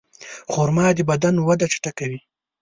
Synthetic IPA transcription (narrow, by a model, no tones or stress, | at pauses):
xoɾmɑd̪əbad̪anwad̪aʈ͡ʂḁʈakawi